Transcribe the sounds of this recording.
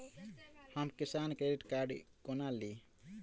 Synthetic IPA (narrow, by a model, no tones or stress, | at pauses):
həmkisankɾeɖiʈkaɾɖkɔnali